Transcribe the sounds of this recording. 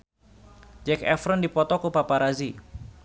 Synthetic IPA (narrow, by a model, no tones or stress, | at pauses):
d͡ʒɛkɛ̰fɾəndipɔt̪ɔkupapaɾazi